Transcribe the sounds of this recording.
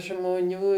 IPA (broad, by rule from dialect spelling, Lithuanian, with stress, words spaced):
ʒmoːˈnʲuː